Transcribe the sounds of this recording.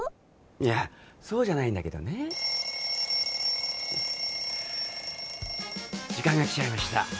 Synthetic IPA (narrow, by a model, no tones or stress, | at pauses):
ijaso̞ːʑanaĩnd̪ake̞d̪o̞̰ne̞ | d͡ʑikãŋɡakʲi̥t͡ɕaimaɕi̥t̪a̰